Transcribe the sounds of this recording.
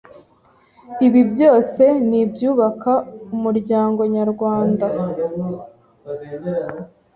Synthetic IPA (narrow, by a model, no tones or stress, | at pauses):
iβibjo̞ːse̞nibjuːβakaumuɾɟaːŋɡo̞ɲaɾɡwaːnda